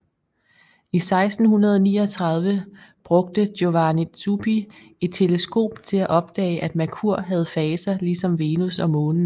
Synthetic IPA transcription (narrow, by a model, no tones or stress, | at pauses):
isɑ̈ɪsd̥n̩hunɐð̞ˠɒniːɒ̽t͡sʰʁɑ̈ð̞ˠʋəb̥ʁɔ̽ɡ̥̚d̥əd̥jo̝ʋænisʰub̥i | e̝d̥̚t͡sʰe̝ləsɡ̥o̝̰ːb̥t͡sʰe̝læʔɒ̽b̥̚d̥ɛ̰ːɪʔæd̥mækʰuɐ̰ɦæð̞̩ˠfɛːsɐlisɒ̽mʋe̝ːnusɒ̽mɔ̽ːnən̩